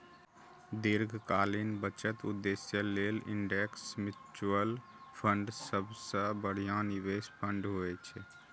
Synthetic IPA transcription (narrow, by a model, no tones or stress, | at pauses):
d̪iɾɡʱkaːlinbət͡ʃət̪ʊ̰d̪ːesjəlelɪ̰ɳɖeksmɪt͡ʃəl | pʰəɳɖsəbsə̃bəɽ̤ijaniʋespʰəɳɖɦoɛt͡ʃʰɛ